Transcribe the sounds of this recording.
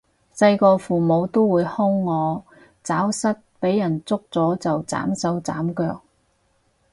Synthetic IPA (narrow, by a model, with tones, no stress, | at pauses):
sɐ˧jkɔː˧fuː˨˩mo˨˧wt̪o˥wuː˨˧jhʊ˥ŋːɔː˨˧ | t͡saː˨˥wsɐ˥t̚pe˨˥jːɐ˨˩nt͡sʊ˥k̚t͡sɔː˨˥t͡sɐ˨wt͡sa̰ː˨˥msɐ˨˥wt͡sa̰ː˨˥mkœː˧k̚